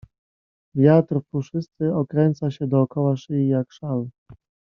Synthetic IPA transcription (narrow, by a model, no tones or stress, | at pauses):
vʲjat̪ɾfuʂɘst̪sɘɔkɾɛnt̪saɕɛd̪ɔːkɔwaʂɘijakʂal